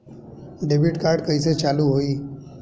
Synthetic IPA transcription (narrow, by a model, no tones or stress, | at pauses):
ɖebiʈkaːɾɖkə̃iset͡ʃaːluɦoiː